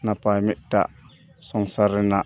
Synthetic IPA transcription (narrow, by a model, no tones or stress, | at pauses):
napajmɛʔ̚ta̰ʔ | sɔŋsaɾɛna